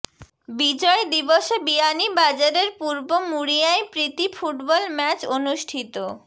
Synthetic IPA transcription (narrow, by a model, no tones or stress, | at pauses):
bid͡ʑɔed̪iboʃebianibad͡ʑaɾeɾpuɾbomuɽijaepɾit̪ifuʈbɔlmɛt͡ɕonuʃʈʰit̪o